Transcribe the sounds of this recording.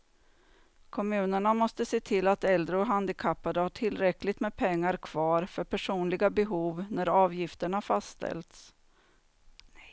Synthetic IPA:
kʰɔmʉ̟ːnəɳamɔst̪əseːt̪ʰɪlːat̪ɛld̪ɾəɔɦand̪ɪkʰapːad̪əhaʈʰɪlːɾɛklɪɡt̪mɛpʰɛŋːaɾkʰvɑːɾfœɾpʰæʂuːnlɪɡabɛɦuːvnæɾɑːvjɪft̪əɳafast̪ʰɛ̰lt̪s

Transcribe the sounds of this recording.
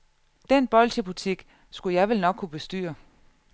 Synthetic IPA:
d̥enb̥ɒ̽lt͡sʰib̥ut͡sʰiɡ̥ | sɡ̥ujɑ̈ɪʋelnɒ̽ɡ̥kʰːub̥e̝sd̥y̰ːɐ

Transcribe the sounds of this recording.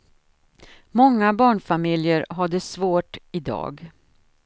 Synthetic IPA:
mɔŋːabɑːɳfamɪljəɾɦad̪əsvoːʈɪd̪ɑ̰ːɡ

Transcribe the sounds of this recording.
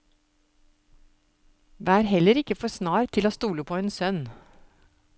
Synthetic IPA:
ʋeæːɾhɛləɾɪkəfɔsnɑːɾt̪ʰɪloːst̪uːləpʰoːeːnsœn

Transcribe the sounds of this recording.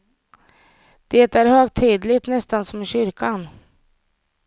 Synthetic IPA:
d̪̥eːt̪æɾhøːɡt̪ʰiːd̪lɪt̪nɛst̪ansɔmɪɕʏɾkʰan

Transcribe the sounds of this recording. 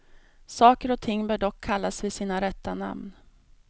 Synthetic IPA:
sɑːkəɾɔt̪ʰɪŋːbœːɖɔkʰːalːasvɪsiːnaɾɛt̪ːana̰mn

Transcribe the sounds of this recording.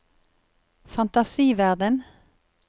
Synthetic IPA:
fɑnt̪ɑsiːʋæʁd̪ən

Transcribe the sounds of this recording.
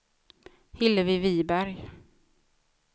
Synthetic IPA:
hɪlːəvɪviːbæɾj

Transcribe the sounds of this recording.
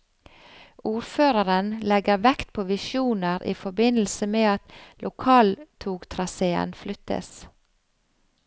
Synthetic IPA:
ʔuːɾføːɾəɾənlɛɡəɾʋɛkt̪̚pʰoːʋɪʃuːnəɾʔḭːfɔbɪnl̩səmeːɑt̪lʊkʰɑːlt̪ʰuːɡt̪ʰɾɑseːə̰nflʏt̪ə̰s

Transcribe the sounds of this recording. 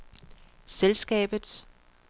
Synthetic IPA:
selsɡ̥ɛ̰ːb̥ð̩ˠs

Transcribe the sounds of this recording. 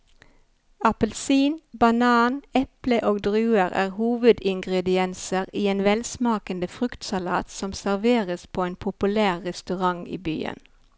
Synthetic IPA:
ɑpəlsiːnbɑnɑːnɛpləʔoːɡd̪ʁʉːəʁæ̰ːʁhuːʋəd̪ɪŋɡʁɛd̪ɪɛnsəʁiːeːnʋɛlsmɑːkənd̪əfʁʉkt̪sɑlɑːt̪sɔmsæʁʋeːʁəspʰoːeːnpʰʊpʉlæːʁːɛst̪ʉʁɑŋḭːby̰ːə̰n

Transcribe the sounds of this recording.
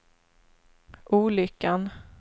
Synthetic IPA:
ʔuːlʏkːan

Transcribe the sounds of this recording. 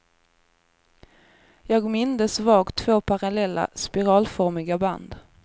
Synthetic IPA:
jɑːɡmɪnd̪əsvɑːɡt̪ʰvoːpʰaɾalɛlːa̰spɪɾɑːlfɔɾmɪɡaba̰nd̪

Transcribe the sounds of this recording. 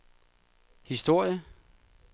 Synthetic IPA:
hisd̥o̝ɐ̰jə

